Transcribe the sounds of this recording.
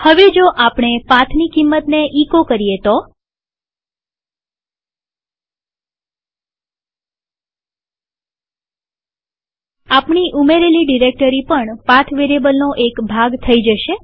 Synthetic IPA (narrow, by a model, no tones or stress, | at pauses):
həʋed͡ʒoʔapɳ̃epãt̪ʰnikimːət̪neʔikokəɾijet̪o | apɳiʔumeɾeliɖiɾek̚ʈəɾipəɳpãt̪ʰʋeɾebəlnoʔekbʱaɡt̪ʰəid͡ʒəʃe